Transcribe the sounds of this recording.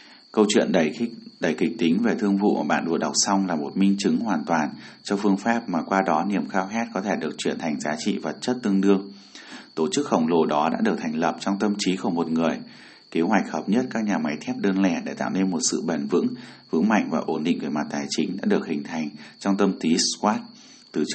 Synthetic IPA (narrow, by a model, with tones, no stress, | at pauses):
kə˧wt͡ɕwḭ˧˨ənɗə˧˩jɗə˨˧˩jkï˨˩k̟̚t̪i˨˦ŋ̟ve˨˩t̪ʰɨ˧əŋvṵ˧˨ʔɓa̰ː˧˨nɗṵ˨˧˨ɗa˨˩wk͡p̚sa˧wŋ͡mlaː˨˩mo˨˩t̚mï˧ŋ̟t͡ɕɨ˨˦ŋhwaː˨˩nt̪waː˨˩nt͡ɕɔ˧fɨ˧əŋfaː˦˥p̚maː˨˩kwaː˧ɗɔ˨˦ni˨˩əmxaː˧wxɛ˦˥t̚kɔ˨˦t̪ʰe˧˩ɗɨ˨˩ək̚t͡ɕwi˧˩ənt̪ʰa˨˩jŋ̟zaː˨˦t͡ɕḭ˧˨və˨˩t̚t͡ɕə˦˥t̚t̪ɨ˧əŋɗɨ˧əŋ | t̪o˧˩t͡ɕɨ˦˥k̚xə˧˩wŋ͡mlo˧˩ɗɔ˨˦ɗa̰ː˧˥ɗɨ˨˩ək̚t̪ʰa˨˩ŋ̟lə˨˩p̚t͡ɕɔ˧wŋ͡mt̪ə˧mt͡ɕi˨˦ku˧˩mo˨˩t̚ŋɨ˨˩əj | ke˨˦ɦwa˨˩jk̟̚həː˨˩p̚ɲə˦˥t̚kaː˦˥k̚ɲaː˨˩ma˨˦jt̪ʰɛ˦˥p̚ɗəː˧nlɛ˧˩ɗe˧˩t̪a̰ː˧˨wne˧nmo˨˩t̚sɨ̰˧˨ɓə˨˧˩nvɨ̰˧˥ŋvɨ̰˧˥əŋma̰˧˨jŋ̟vaː˨˩ʔo˧˩nɗḭ˧˨ŋ̟ve˧˩ma˨˩t̚t̪aː˨˩jt͡ɕï˨˦ŋ̟ɗa̰ː˧˥ɗɨ˨˩ək̚hï˨˩ŋ̟t̪ʰa˨˩jŋ̟t͡ɕɔ˧wŋ͡mt̪ə˧mt̪i˨˦skwaː˦˥t̚ | t̪ɨ˨˩